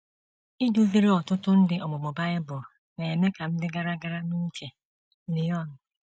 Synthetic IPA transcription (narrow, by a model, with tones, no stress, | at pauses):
i˦du˦ve˦ɾe˦ɔ˨tʊ˦tʊ˦n̩˦dɪ˨ɔ˨mʊ˨mʊ˨ba˦ɪ˦bʊ˨ | ne˨e˨me˦ka˨m̩˦dɪ˦ɡa˦ɾa˦ɡa˦ɾa˦nu˦t͡ʃe˨˦ | nɪ˨jɔ˦˨nʊ˨